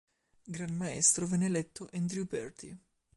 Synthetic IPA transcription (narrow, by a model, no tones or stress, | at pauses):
ɡɾanmaɛ̰st̪ɾovɛnːelɛt̪ːoʔɛnd̪ɾiupɛrt̪ḭ